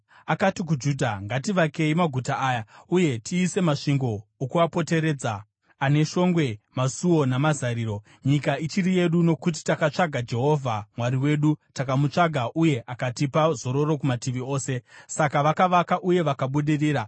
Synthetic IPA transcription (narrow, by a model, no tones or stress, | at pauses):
akatik̬ud͡ʒuːdʱaŋɡatiʋake̞imaɡʱutaʔaːjauje̞tiːse̞maʂiŋɡo̞ːkuʋapo̞te̞ɾe̞ːd͡za | ane̞ʃo̞ŋɡwe̞masuwo̞namazaɾiːɾo̞ | ɲikait͡ʃirije̞ɗuno̞kut̬i̥takat͡ʂaɡʱad͡ʒe̞ɦo̞vʱamwaɾiwe̞ːɗutakamut͡ʂaɡʱaʔuje̞ʔakatipazo̞ɾo̞ɾo̞kumatiʋio̞ːse̞sakaʋakaʋakaʔuje̞ʋakaɓuɗiriːɾa